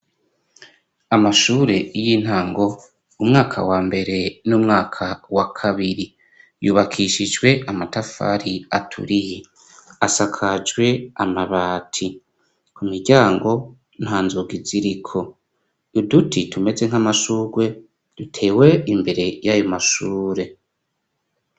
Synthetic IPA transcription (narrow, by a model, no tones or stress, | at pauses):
amaʃuːɾe̞jiːn̥haːŋɡo̞ | umŋaːkʰa̰waːmbe̞ɾe̞numŋaːkʰawakʰaβiɾi | juːβakʰiʃid͡ʒɡwe̞ʔamatafa̰ːɾiatʰṵɾiji | asakʰad͡ʒɡwe̞amaβaːtʰi | kumiɾɟaːŋɡo̞ | n̥haːnzuɡiziɾikʰo̞ | udutitume̞ze̞ŋ̥hamaʃuːɡwe̞ | d̥utʰe̞ːwe̞imbe̞ɾe̞jajo̞maʃuːɾe̞